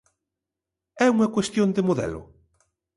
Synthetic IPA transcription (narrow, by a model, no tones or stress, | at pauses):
ɛuŋɐkwest̪jond̪emoðɛ̰lʊ̰